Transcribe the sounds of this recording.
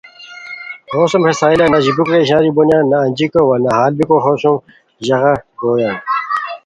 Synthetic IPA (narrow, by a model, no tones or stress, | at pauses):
hoːsɐmhesaːilɐnɐʑibukɾeʑãːɾibonjãːnɐːnd͡ʑikowɐnɐɦaːlbikoɦoːɕum | ʑɐɣaɡoːjaː